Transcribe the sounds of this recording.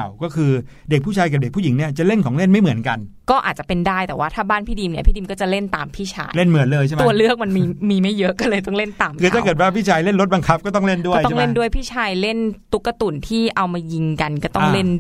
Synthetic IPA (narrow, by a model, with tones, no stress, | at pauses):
wkɔː˥˩kʰɯː˧ | de˨˩k̚pʰu˥˩t͡ɕʰaː˧jka˨˩p̚de˨˩k̚ʰu˥˩ji˩˦ŋni˥˩ɐt͡ɕa˨˩ʔle˥˩nkʰɔː˩˦ŋle˥˩nma˥˩jmɯ˩˦ənka˧nkɔː˥˩ʔaː˨˩t̪̚t͡ɕa˨˩pe˧ndaː˥˩jt̪ɛː˨˩waː˥˩t̪ʰaː˥˩baː˥˩npʰiː˥˩diː˧mni˥˩pʰiː˥˩i˧mkɔː˥˩t͡ɕa˨˩le˥˩nt̪a̰ː˧mpʰiː˥˩t͡ɕʰa̰ː˧jle˥˩nmɯ˩˦ənlɤː˧jt͡ɕʰa˥˩˧ɐlɯ˥˩ək̚ma˧nmiː˧miː˧ma˥˩jːɤ˦˥ʔkːa˧˨lɤː˧jt̪ɔ˥˩ŋle˥˩nt̪aː˧mkʰɯː˧t̪a˥˩kɤː˨˩t̪̚waː˥˩pʰiː˥˩t͡ɕʰaː˧jle˥˩nɾo˦˥t̪̚ba˧ŋkʰa˦˥p̚kɔː˥˩t̪ɔ˥˩ŋle˥˩ndu˥˩˥tɔ˥ŋle˥˩ndu˥˩əjpʰiː˥˩t͡ɕʰaː˧jle˥˩nt̪u˦˥kːa˧t̪u˨˩nt̪ʰiː˥˩ʔa˧wmaː˧ji˧ŋka˧nkɔː˥˩t̪ɔ˥˧˥le˥˩n